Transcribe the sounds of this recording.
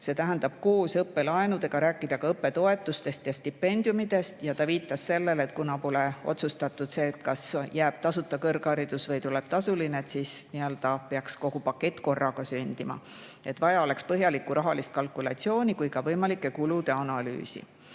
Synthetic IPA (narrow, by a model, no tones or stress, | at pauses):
se̞t̪æɦænd̪ɑb̥koːsɤpːe̞lɑenud̪̥e̞ɡ̥ɑɾæːkːˑid̪̥ɑkɑɤpːˑe̞t̪o̞e̞t̪ːˑust̪e̞st̪jɑst̪ipːe̞nʲd̪̥jumid̪̥e̞st̪jɑt̪ɑviːt̪ːˑɑsse̞lːe̞le̞t̪kunɑpo̞leo̞̰t̪sust̪ɑt̪ːˑud̪̥se̞ːt̪kɑsjæːb̥̚t̪ɑsut̪ːˑɑkɤrɡɑɾid̪̥usvɤjt̪ule̞b̥̚t̪ɑsulineet̪sisniø̞ld̪̥ɑpeɑksko̞ɡ̥upɑkːˑe̞t̪ːˑko̞rːɑɡ̥ɑsynʲd̪̥imɑ̰ | e̞t̪vɑjɑole̞kspɤɦjɑlikːˑuɾʔɑɦɑlist̪̚kɑlkˑulɑt̪sio̞ːnʲikujkɑvɤjmɑlikːˑe̞kulud̪̥e̞ɑnɑly̰ːsḭ